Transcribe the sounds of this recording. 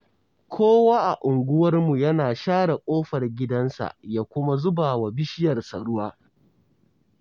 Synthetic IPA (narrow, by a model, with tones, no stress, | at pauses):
kʷʰoː˦waː˦ʔa˨ʔʊ˨ŋɡʷʊ˦wɐ˦rmu˨jɐ˦naː˨ʃaː˦ɽa˨kʷʼoː˦ɸɐ˨rɡʲɪ˦dɐ˦nsa̰˨jaː˦kʷʊ˦ma˦zʊ˦baː˨wa˨bɪ˦ʃɪ˦jɐ˨rsa̰˨ɽʊ˦waː˦